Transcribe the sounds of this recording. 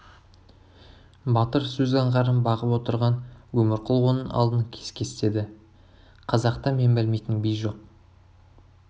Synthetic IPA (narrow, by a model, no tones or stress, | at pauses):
bɑt̪əɾsɵzɑɴʁɑɾənbɑʁəpwo̞t̪əɾʁɑnwɵmɪɾqʰʊlˠwonənɑ̰lˠd̪ənkʲʰeskʲʰe̞st̪e̞d̪ɪ | qʰɑzɑqt̪ɑme̞mbɪlme̞jt̪ɪnbijʒo̞q